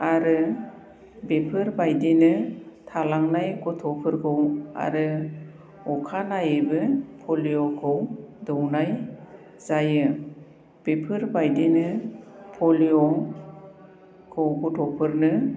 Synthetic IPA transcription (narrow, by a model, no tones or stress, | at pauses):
aɾɯ | bepʰɯɾbajdinɯtʰalaŋnajkɔtʰɔpʰɯɾkʰɯwa̰ɾɯ | ɔkʰanajebɯpʰolijokʰɯwdɔwnaj | z̥ajɯ | b̥epʰɯɾbajdinɯpʰɔliɔ | kʰɯwɡɔtʰɔpʰɯɾnɯ